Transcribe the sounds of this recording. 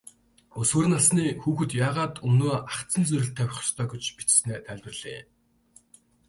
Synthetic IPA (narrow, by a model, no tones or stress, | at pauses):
ɵswɵːɾɘ̆nasniːxuːxɘ̆t̪jaːʁaːt̪ɵnoːaχt͡sə̆nt͡sɵɾʲɪ̆ɬt̪ʰːæwʲɪ̆χ̆st̪ʰœːɡet͡ɕpit͡ɕsneːt̪ʰæɮʲt̪ɘ̆rɮḛː